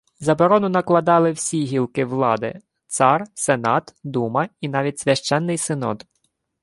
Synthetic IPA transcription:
zɐbɔɾɔnʊnɐklˠɐd̪ɑlˠɪwsʲiɦʲilˠkɪʋlˠɑd̪ɪ̰ | t̪sɑrsenɑt̪d̪umɐinɑʋʲitʲsʲʋʲɐʃt͡ʃɛnːɪjsɪnɔ̰d̪

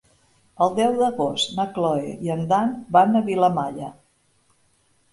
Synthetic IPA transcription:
əlˠd̪ɛwðəɣost̪nəklɔeiənd̪anbanəβiləmaʎə

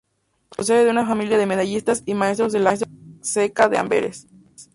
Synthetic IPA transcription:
pɾos̬eðeðeunafamiljaðe̞meðaʝist̪asimae̞st̪ɾo̞zðelaest̪sekaðea̰mbḛɾes

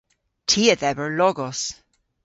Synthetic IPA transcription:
tʰiəðɛbə˞lɔɡɔs

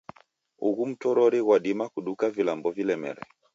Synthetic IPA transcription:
uɣum̩tɔɾɔɾiɣwaɗimakuɗukavilambɔvilɛmɛ̰ɾɛ̰

